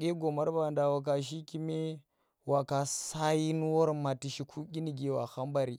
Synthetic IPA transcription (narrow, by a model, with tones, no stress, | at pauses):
ɡe˦ɡo˨ma˦ɾba˨nda˨wa˨k̬a˨ʃ̬i˦ki˦me˦ | wa˨ka˨sa˦ji˦n˦wo˦ɾma˨ti˨ʃi˨kʰu˦ɡʲi˦ni˨ɡe˨wa˨xa˦mba˨ɾi˨